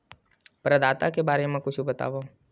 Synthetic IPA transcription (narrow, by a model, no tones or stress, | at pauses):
pɾɐd̪aːt̪akebaːɾemẽkʊt͡ʃʰubɐt̪a̰ːʋoː